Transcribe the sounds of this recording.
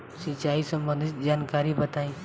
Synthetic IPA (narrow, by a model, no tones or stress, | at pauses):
sit͡ʃaisə̃mbə̃nd̪ʱit̪d͡ʒaːnkaɾibət̪aĩ